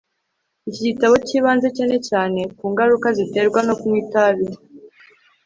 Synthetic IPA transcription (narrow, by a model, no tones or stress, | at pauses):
icitaβo̞ciːβaːnze̞cene̞caːne̞kuːŋɡaɾukazite̞ɾɡwano̞kumwiːtaβi